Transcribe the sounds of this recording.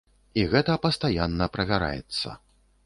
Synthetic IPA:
iɣɛt̪ɐpɐst̪ajanːɐpɾɐvʲaɾa̰jɛ̰t̪sːɐ̰

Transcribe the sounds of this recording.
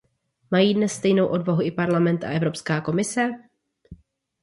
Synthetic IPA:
majiːdnɛsːt̪ɛjno̞wʔo̞dvaɦuʔɪpaɾlamɛnt̪a̰ʔɛvɾo̞pskaːko̞mɪsɛ

